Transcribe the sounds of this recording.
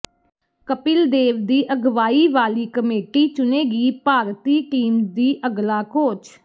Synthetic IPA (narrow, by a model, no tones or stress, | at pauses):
kəpɪld̪eːʋd̪iːʔəɡʋaːiːʋaːliːkəmeːʈiːt͡ʃʊneːɡiːpaːɾt̪iːʈiːmd̪iːʔəɡlaːkoːt͡ʃʰ